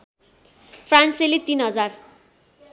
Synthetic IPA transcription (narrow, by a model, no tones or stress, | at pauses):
pʰranselit̪inɦʌd͡zar